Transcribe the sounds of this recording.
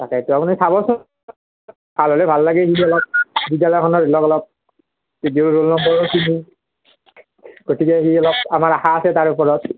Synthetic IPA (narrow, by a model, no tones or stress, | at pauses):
takɛituapunisabɔsɔ | bʱalɔlɛbʱalːaɡɛxiɔlɔp̚bidjalɔjkʰɔnɔɹɛlɔkɔlɔp̚ | idiʊɹɹolnɔmbɔɹɔkini | ɡotʰikɛxiɔlɔb̚amaɹaxaːsɛtaɹupɔɹɔt̚